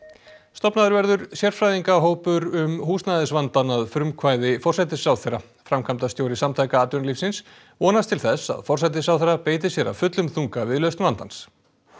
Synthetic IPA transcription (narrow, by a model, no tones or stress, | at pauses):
st̪ɔpnaðʏɾvɛɾðʏɾsjɛɾ̥fɾajðiŋkaɦoːwpʏɾʏmhuːsnajðɪsvant̪anaðfɾʏmkʰvaːjðɪfɔr̥sajt̪̬ɪsawθɛra | fɾamkʰamt̪ast̪jowɾɪsamt̪ʰajkaaːt̪ʏnlifsɪns | ɔːnast̪ʰɪlθɛsa̰ðfɔrsajt̪̬ɪsawθɛɾːapeːjt̪̬ɪsjɛɾa̰vfʏt̪lʏmθuŋkavɪðlœɥst̪vant̪ans